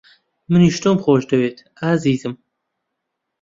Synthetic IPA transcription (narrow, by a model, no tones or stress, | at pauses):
mɨniːʃt̪oːmχoːʃd̪ɐweːt̪ʰ | aːziːzɨm